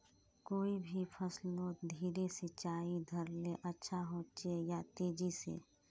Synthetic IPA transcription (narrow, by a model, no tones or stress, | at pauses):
koːibʱipʰəslõd̪ʱiːɾesɪt͡ʃaːid̪ʱəɾleʔətːʃʰaɦoːt͡ʃejat̪eːd͡ʒisḛː